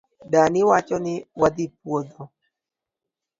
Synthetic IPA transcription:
danɪwat͡ʃɔnɪwad̪ɪpwod̪o

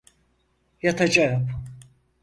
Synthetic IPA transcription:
jat̪ʰad͡ʒajap

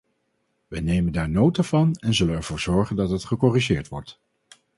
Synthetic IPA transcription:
ʋənejməndaːɹnowtavɑnɛnzɵlənɛɹv̥ʊːɹz̥ɔɹχəndɑtɦətχəkɔriʒɪːɹtʋɔɹt

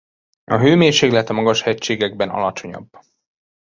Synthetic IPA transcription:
ɒɦøːmeːrʃeːklɛɦɛt̪ɒmɒɡɒʃhɛct͡ʃːeːɡɛɡbɛnɒ̰lɒt͡ʃo̞ɲɒ̰b

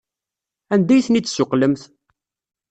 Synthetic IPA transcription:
ænd̪æjθnit͡s̪ːsʊqːləmθ

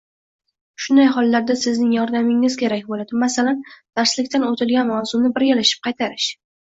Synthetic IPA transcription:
ʃʊnd̪ajɦɒlˠːaɾd̪asɪznɪŋjɒɾd̪amɪŋɪzkʲe̞ɾakʲbolad̪ɪmasaland̪̥aɾslɪkʲt̪anot̪ʰɪlˠɡʲanmawzʊnɪbɪɾɡʲalaʃɪ̥p̚qʰɑjt̪ʰaɾɪʃ

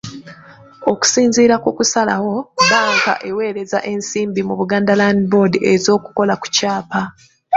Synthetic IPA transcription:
o̞ku̥siːnziːɾakukusala̰wo̞βaːŋka̰ʔe̞we̞ːɾe̞za̰ʔe̞nsiːmbimuβuɡaːndalandibo̞ːdiʔezo̞ːku̥ko̞laku̥caːpa

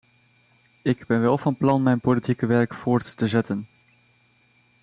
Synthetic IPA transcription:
ɪɡbɛnʋɛlˠvɑnplɑnmɛjnpolitikəʋɛɹkfʊːɹtːəzɛtən

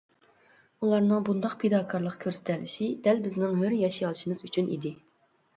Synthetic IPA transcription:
ulˠɑɾnɨŋbund̪ɑqpʰed̪ɑːkʰɑɾlˠəqkʲʰøɾsɛ̥t̪ʰælɪʃid̪̥ɛlbɪznɪŋɦøɾjɑʃijɑlˠɨʃimɨzyt͡ʃʰynḭd̪ɪ

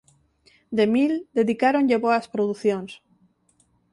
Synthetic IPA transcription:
d̪emild̪e̞ðikaɾonʎeβoaspɾoðuθjons

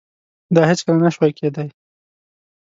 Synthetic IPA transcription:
d̪ɑhɪt͡skəlanaʃwajkʰed̪aj

